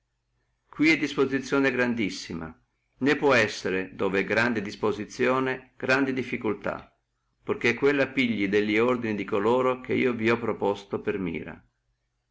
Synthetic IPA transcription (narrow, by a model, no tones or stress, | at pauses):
kwiɛd̪ːispozit̪sːjɔːneɡɾand̪isːima̰ | nepːwɔɛsːeɾed̪oːveɛɡɾand̪ed̪ispozit̪sːjɔːneɡ̥ɾand̪id̪ifːikult̪a̰ | pork̟ekːwelːapiʎːid̪elːiord̪inid̪ikoloːɾok̟eḭːoviɔpːɾopɔst̪opermḭːɾa̰